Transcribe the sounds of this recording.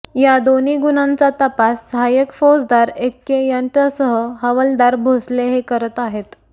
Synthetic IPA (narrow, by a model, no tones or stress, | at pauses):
jad̪oniːɡunãnt͡sat̪əpasːəɦajəkfosd̪aɾekːejəɳʈəsəɦəɦəʋəld̪aɾbʱosleɦekəɾət̪aɦet̪